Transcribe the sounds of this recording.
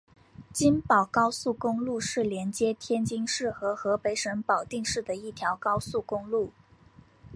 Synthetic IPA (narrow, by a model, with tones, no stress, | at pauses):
t͡ɕi˥npɑ˨˩ʊkɑ˥ʊsu˥˩kʊ˥ŋlu˥˧ʂɻ̩˥˩ljɛ˧˥nt͡ɕjɛ˥t̪ʰjɛ˥nt͡ɕi˥ŋʂɻ̩˥˩xɤ˧˥xɤ˧˥pe˧˥ɪʂə˧˥ŋpɑ˨˩ʊt̪i˥˧ŋʂɻ̩˥˩d̪ə˩i˥˩t̪ʰjɑ˧˥ʊkɑ˥ʊsu˥˩kʊ˥ŋlu˥˩